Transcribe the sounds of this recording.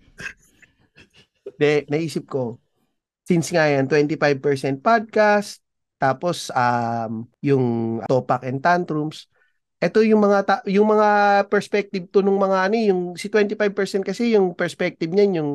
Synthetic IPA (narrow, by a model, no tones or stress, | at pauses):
d̪ɛnɐʔiːsɪp̚ko̞ | sɪnsŋajant̪wɛnt̪ɪfajb̚pɛɹsɛnt̪̚pad̪̚kast̪̚ː | aːpo̞sɐmjʊŋʔɐt̪opɐkʔɛnt̪ant̪ɾums | ʔɛt̪ojʊŋmɐŋat̪ajʊŋmɐŋapɛɹspɛk̚t̪ɪb̚t̪onʊŋmɐŋaʔɐnojʊŋsɪt̪wɛnt̪ɪfajb̚pɛɹsɛnt̪kɐsɛjʊŋpɛɹspɛk̚t̪ɪb̚ɲanjʊŋ